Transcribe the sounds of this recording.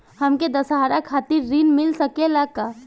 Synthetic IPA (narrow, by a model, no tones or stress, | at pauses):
hɐmked̪ɐsɦaːɾakʰaːt̪iɾːinmɪlsɐkelakːa